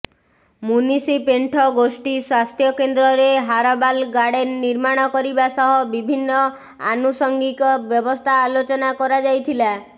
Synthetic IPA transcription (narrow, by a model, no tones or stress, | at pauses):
munisipeɳʈʰɔɡosʈiswast̪ʰjɔkend̪ɾɔɾeɦaɾɔbalɡaɽeniɾmaɽ̃ɔkɔɾibasɔɦɔbibʱinːɔ | a̰nusɔŋɡikɔbjɔbɔst̪ʰaːlot͡ʃɔnakɔɾad͡ʒajt̪ʰila